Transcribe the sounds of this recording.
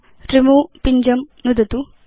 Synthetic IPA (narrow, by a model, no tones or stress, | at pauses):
ɾimoːpiɲd͡ʒɐmnud̪ɐt̪u